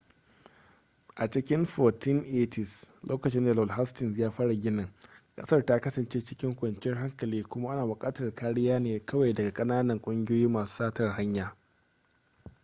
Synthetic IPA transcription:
ʔa˨t͡ʃɪ˦kʲɪ˦mɸɔː˨tɪ˦nʔeː˦tɪ˨slʔoː˦kɐ˨t͡ʃɪ˦nda˨lɔ˨lɦa˦stɪ˨ns̬jaː˦ɸaː˦ɽa˨ɡʲɪ˦nɪ˨ŋkʼɐ̰˦sɐ˦rta˦kɐ˦sɐ˨nt͡ʃeː˦t͡ʃɪ˦kʲɪ˦ŋkʷɐ˨nt͡ʃɪ˦rɦa˦ŋkɐ˨liː˦kʷʊ˦ma˦ʔa˦naː˨wʊ˨kʼaː˦tɐ˨rkʰaː˦ɽɪ˦jaː˦neː˨kɐ˦wa˨jdɐ˨ɡa˨kʼɐ˦naː˦nɐ˨ŋkʷʼʊ˦ŋɡʲoː˦jiː˦maː˨su̥ː˦saː˦tɐ˨rɦa˦ɲjaː˨

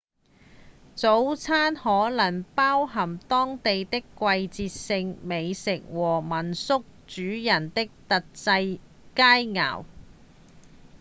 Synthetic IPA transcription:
t͡so˨˥wt͡sʰaː˥nhɔː˨˥lɐ˨˩ŋpaː˥wɦɐ˨˩mt̪ɔː˥ŋt̪e˨jt̪ɪ˥kːʷɐ˧jt͡siː˧t̚sɪ˧ŋme˨˧jsɪ˨k̚wɔː˨˩mɐ˨˩nsʊ˥k̚t͡ʃyː˨˥jɐ˨˩nt̪ɪ˥k̚t̪ɐ˨t̚t͡sɐ˧j | kaː˥jŋa̰ː˨˩w

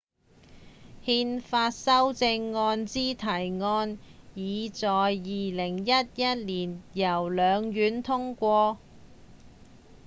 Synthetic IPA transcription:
hiː˧nfaː˧t̚sɐ˥wt͡sɪ˧ŋːɔː˧nt͡siː˥t̪ʰɐ˨˩jŋɔː˧njiː˨˧t͡sɔː˨jːiː˨lɪ˨˩ŋjɐ˥t̚jɐ˥t̚liː˨˩njɐ˨˩wlœː˨˧ŋjyː˨˥nt̪ʰʊ˥ŋkʷɔː˧

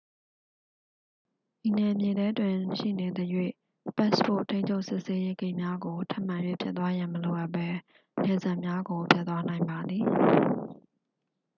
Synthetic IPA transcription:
ʔi˨nɛ˨mjɪ̃˨dɛ˦twɪ̃˨ʃḭ˦˨ne˨d̪ə˨jwḛ˦˨ | pɛ˦spo̰˦˨tʰẽ˦ɪ̃ɲt͡ɕʰo˦ʊʔsɪ˦ʔse˦je˦ɡẽ˦ɪ̃˨mja˦ɡo˨tʰa˦ʔm̥ã˨jwḛ˦˨pʰjʔ̪t̪wa˦jã˨məlo˨ʔa˦˨pːɛ˦ | nɛ˨za˦ʔmja˦ɡo˨pʰja˦t̪wa˦nã˨ɪ̃mba˨d̪ði˨

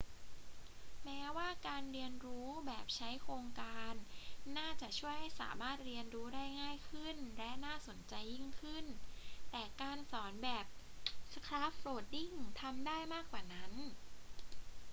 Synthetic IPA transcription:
mɛː˦˥waː˥˩kaː˧nɾi˧ənɾuː˦˥bɛː˨˩p̚t͡ɕʰa˦˥jkʰɾoː˧ŋkaː˧nːaː˥˩t͡ɕa˨˩ʔt͡ɕʰu˥˩əjha˥˩jsa̰ː˩˦maː˥˩t̪̚ɾi˧ənɾuː˦˥ɾaː˥˩jŋaː˥˩jkʰɯ˥˩nlɛ˦˥naː˥˩so˩˦nt͡ɕa˧jːi˥˩ŋkʰɯ˥˩nt̪ɛː˨˩kaː˧nsɔː˩˦nbɛː˨˩p̚ | skʰlaː˦˥pːɾoː˨˩t̪̚di˥˩ŋt̪ʰa˧mdaː˥˩jmaː˥˩kwaː˨˩na˦˥n

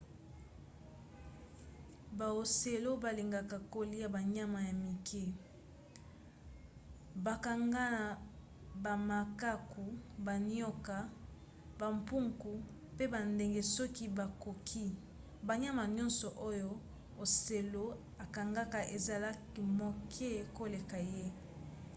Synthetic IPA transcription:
ba˨o˨se˨lo˦ba˨li˨ŋɡa˨ka˨ko˨li˦ja˨ba˨ɲa˦ma˨ja˨mi˨kʰe˦ | ba˨ka˨ŋɡa˦˨ | ba˨ma˨ka˦kʰu˨ba˨n˦ɔ˦ka˦ | ba˨mpu˦ŋku˨ | pe˦ba˨nde˨ŋɡe˦sɔ˦ki˦ba˨ko˨kʰi˦ | ba˨ɲa˦ma˨ɲɔ˦nsɔ˨ʔo˦jo˦ | o˨se˨lo˦ | a˨ka˨ŋɡa˦ka˨ʔe˨za˨la˦ki˨mo˨kʰe˦ko˦le˨ka˨je˦

